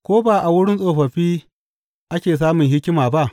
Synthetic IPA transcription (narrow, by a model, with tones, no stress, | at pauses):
kʷoː˦baː˨ʔa˨wʊ˦ɽɪ˦nsʼoː˨ɸɐ˨ɸiː˦ | ʔa˦kʲeː˨s̬aː˦mʊ˨ŋɦɪ˦kʲɪ˦maː˨ba˦ʔ